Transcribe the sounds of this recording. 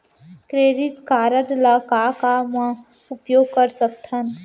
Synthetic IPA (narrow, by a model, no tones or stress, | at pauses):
kɾeːɾɪt̪kaːɾəd̪lakakamə̃ | ʊpjoːɡ̚kəɾsək̚t̪ʰən